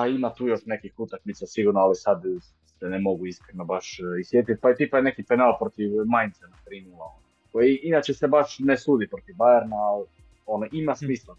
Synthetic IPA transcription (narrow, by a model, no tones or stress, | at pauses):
aimat̪uːjo̞ʃnekixut̪akmit̪sasiɡuɾnoalisad̪ | senemo̞ɡuiskɾenobaʃisjet̪it̪̚ʲpaet̪iːpajenekipenalpɾot̪iʋmajnt̪senat̪ɾiːnuːlaono | kojiinat͡ʃesebaʃnesuːd̪ipɾot̪iʋbajeɾnaːl | onoʔimasmiːsla